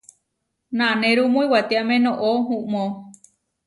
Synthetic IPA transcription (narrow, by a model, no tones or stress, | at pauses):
nãnẽɾumõĩwat̪eamẽnõʔoɦũʔmõ